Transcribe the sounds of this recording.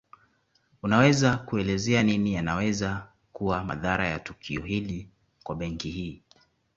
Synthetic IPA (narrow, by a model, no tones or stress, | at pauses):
unawɛzakuɛlɛzɛaninijanawɛza | kuwama̰ðaɾaja̰tukʰiɔɦili | kwaɓɛŋkihiː